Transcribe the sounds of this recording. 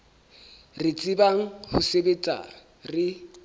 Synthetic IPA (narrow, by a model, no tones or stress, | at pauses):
rɪt͡sʼibaŋ̩hʊ̰sebet͡sʼa̰ | rɪ